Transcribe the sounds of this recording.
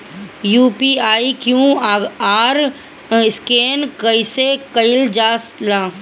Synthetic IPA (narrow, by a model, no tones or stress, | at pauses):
juːpiaːikjũːaːɾ | ɪskeːnkəisekəɪld͡ʒaːslãː